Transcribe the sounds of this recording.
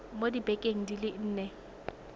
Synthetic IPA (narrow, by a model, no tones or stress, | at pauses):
modibɛkʼeŋ̩dilɪn̩ːnɛ